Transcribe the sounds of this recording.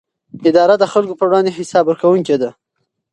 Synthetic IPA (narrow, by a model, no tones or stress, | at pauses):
ɪd̪ɑɾad̪əxalkopəɾwɽɑnd̪eɦɪsɑbəɾkawuŋked̪a